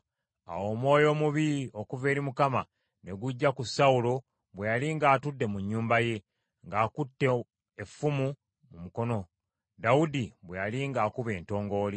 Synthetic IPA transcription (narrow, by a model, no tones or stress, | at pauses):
a̰wo̞ːmwo̞ːjo̞ːmuβio̞kuve̞ːɾimukama | ne̞ɡuɟːakusaulo̞ | βwe̞jaliŋɡaːtudːe̞muɲːuːmbaje̞ | ŋɡaːkutːe̞ | efːumu | mumuko̞no̞ | daudiβwejaliŋɡaːkuβe̞ːnto̞ːŋɡo̞ːli